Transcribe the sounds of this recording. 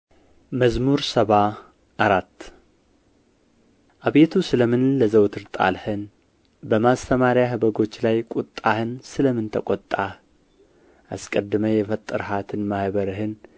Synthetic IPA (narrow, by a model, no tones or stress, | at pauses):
məzmuɾsəβa | ʔaɾat̪ː | ʔaβe̞t̪ʰusɨləmɨnləzəwt̪ʰɨɾt̪ʼa̰lhɨn | bəmast̪ʰəmaɾjahɨbəɡo̞t͡ʃːlajkʼut̪ʼːahɨnsɨləmɨnt̪ʰəkʷʼɔt̪ʼːa | ʔaskʼəd̪ːɨməjɛfət̪ʼːɨɾhat̪ʰɨnmahβəɾɨɦɨn